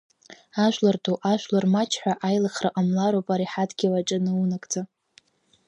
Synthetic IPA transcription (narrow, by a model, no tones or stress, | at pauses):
aʒʷlartʰoʔaʃʷlarmat͡ʃʰħʷᶣaʔajlaχraqʼamlaɾowpʼaɾiħadɡʲiwaʈ͡ʂʼanɨunakʼd͡za